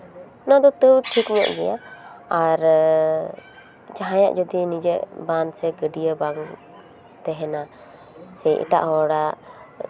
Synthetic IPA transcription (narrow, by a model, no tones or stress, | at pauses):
nad̪ɔt̪əwʈʰikmɛ̰ʔɡɛjaaɾ | d͡ʒaɦãja̰ʔd͡ʒɔd̪inid͡ʒɛʔbansɛɡəɖijəbaŋ | t̪ɛɦɛna | sɛjʔḭʈa̰ʔɦɔɽa